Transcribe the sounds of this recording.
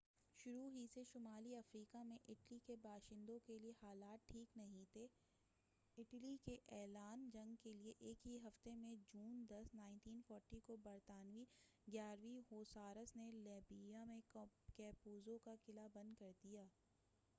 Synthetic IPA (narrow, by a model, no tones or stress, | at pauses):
ʃʊɾuɦiseʃʊmaːliɐfɾiːkamẽʔɪʈlikebaːʃɪ̃nd̪õkeliehaːlaːt̪̚ʈʰːiːknɐɦĩt̪ʰe | ɪʈlikeʔɛːlaːnd͡ʒɐ̃ŋɡkelieʔeːkɦiɦɐft̪emẽd͡ʒuːnd̪ɐsnãːɪ̃nʈiːnfɔːɾʈikobɐɾt̪aːnʋiɡjaːɾʋiɦoːsaːɾəsneleːbijamẽkɛːpuːzõkakɪlabɐ̃nd̪̚kɐɾd̪ijaː